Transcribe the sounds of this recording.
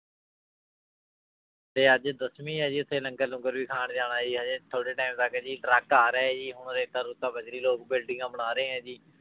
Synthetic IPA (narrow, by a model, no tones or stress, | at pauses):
t̪eːəd͡ʒd̪əsmĩːɦɛːd͡ʒiːʊt̪ʰːeːlə̃ŋkəlʊ̃ŋɡəɾʋiːkʰaːɳd͡ʒaːɽaːd͡ʒiːɦɛːd͡ʒet̪ʰoːɽeːʈaːɪmt̪əkːd͡ʒiːʈɾəkaːɾɛːɛːd͡ʒiːɦʊɳɾeːt̪aːɾuːt̪ãːbəd͡ʒɾiːloːk̚bɪlɖɪ̃ːãːbəñaːɾẽːɦɛ̃ːd͡ʒiː